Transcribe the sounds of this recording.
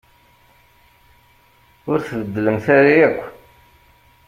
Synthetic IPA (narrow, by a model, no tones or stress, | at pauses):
ʊɾθvəd̪ːələmθæɾijækʷː